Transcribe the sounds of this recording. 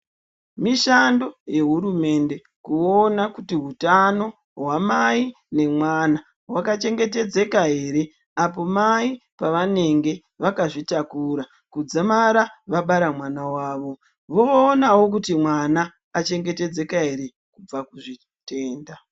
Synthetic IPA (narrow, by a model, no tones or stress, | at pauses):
miʃandoje̞ɦuɾume̞nde̞ | kuonakutiɦutano̞ | ɦwamai | ne̞mwana | wakat͡ʃe̞ŋɡe̞te̞d͡ze̞kaɦe̞ɾe̞ | apo̞maipaʋane̞ŋɡe̞ | ʋakaʐitakuɾa | kud͡zamaɾaʋaɓaɾamwanawaːʋo̞ | ʋo̞ːnawo̞k̬utimwanaː | t͡ʃe̞ŋɡe̞te̞d͡ze̞kaɦe̞ɾe̞ | kub͡vakuʐi | te̞ːnda